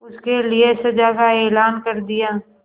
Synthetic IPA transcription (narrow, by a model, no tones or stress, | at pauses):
ʊskeliesɐd͡ʒaːkaɛːlaːnkɐɾd̪ɪjaː